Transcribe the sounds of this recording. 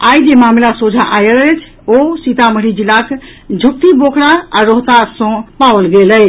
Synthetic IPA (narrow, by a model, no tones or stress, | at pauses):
ajd͡ʒemamlasod͡ʒʱaʔajlət͡ʃʰ | osit̪aməɾid͡ʒilak | d͡ʒʱuk̚t̪ibokʰɽaaɾoɦt̪asɔ̃pawəlɡeləj